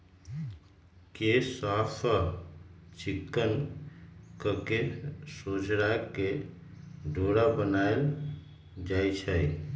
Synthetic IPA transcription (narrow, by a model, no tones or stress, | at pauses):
kesapʰə | t͡ʃikːən | kəkesod͡ʒɽake | ɖʱoɽabənael | d͡ʒajt͡ʃʰəj